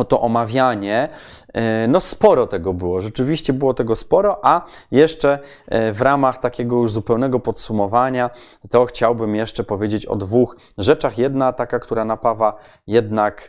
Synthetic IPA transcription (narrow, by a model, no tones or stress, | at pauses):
t̪ɔʔɔmavʲjaɲɛ | nɔspɔɾɔt̪ɛɡɔbɘwɔʐɛt͡ʂɘvʲiɕt͡ɕɛbɘwɔt̪ɛɡɔspɔɾɔʔajɛʂt͡ʂɛ | vɾamaxt̪akʲɛɡɔjuʐzupɛwnɛɡɔpɔt̪sumɔvaɲa | t̪ɔxt͡ɕawbɘmjɛʂt͡ʂɛpɔvʲjed͡ʑet͡ɕɔ̰d̪vux | ʐɛt͡ʂaxjɛd̪nat̪akakt̪uɾanapava | jɛd̪nak